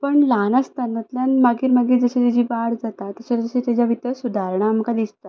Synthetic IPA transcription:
pəɳlanəst̪anət̪ljanmaɡiːɾmaɡiːd͡zəɕet̪ad͡ʑiːbaɽd͡zat̪at̪əɕad͡zəɕet̪ad͡ʑjaʋit̪əsud̪ʱaɾɳ̃am̤əkad̪ist̪a

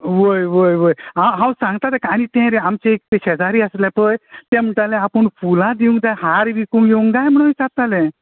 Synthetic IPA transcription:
ʋəjʋəjʋəjɦãwɦãwsãŋɡt̪at̪ɛkaɽ̃it̪ɛ̃ɾeamt͡ɕɛ̃ek̚t̪ẽɕɛd͡zaɾiːəslɛ̃pəjt̪ɛ̃m̤əʈalɛ̃apəɳfulãd̪iũŋɡd̪aɦaɾʋikũŋɡjeũŋɡɡajm̤əɽ̃ũit͡sat̪alɛ̃

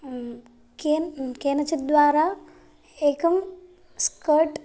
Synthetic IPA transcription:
kenkeːnɐt͡ʃit̪̚d̪ʋaːɾaː | eːkɐm | skɐɾʈ

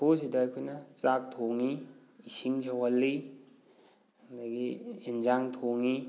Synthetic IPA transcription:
posidɐːjkʰojnɐt͡ʃak̚tʰoŋiː | siŋd͡ʒawalːi | ndaɡiend͡ʒaŋtʰoŋi

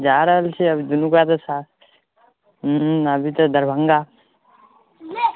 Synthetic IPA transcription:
d͡ʒaːɾəlt͡ʃʰeɐbid̪unukat̪ɐsaː | ɐbʱit̪ɐd̪ʱɐɾbʱəŋɡaː

